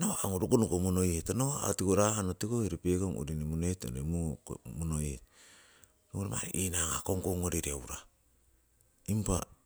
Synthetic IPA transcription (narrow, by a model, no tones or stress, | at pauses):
noaŋoɾukunukomonojetanoa̰tikoɾahanotikoiɾipekoŋo̰ɾinimonoto̰nemumonojet | ɾuŋoɾima̰ɾḭʔinaŋa̰koŋkoŋoɾiɾiawɾa | impa